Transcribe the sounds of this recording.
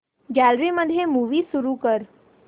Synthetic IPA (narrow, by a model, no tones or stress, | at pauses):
ɡɛːlɾiməd̪ʱjemuːʋisʊɾukəɾ